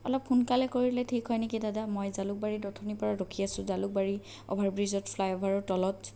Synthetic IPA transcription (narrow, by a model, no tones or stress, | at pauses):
ɔlɔpxunkalɛkoɹilɛtʰikhɔjnekidadamɔjzalʊk̚baɹidɔtʰɔnipɔɹaɹokʰiasʊ̃zalʊk̚baɹi | ɔ̰bʱaɹbɹizɔtpʰlajɔbʱaɹɔtɔlɔt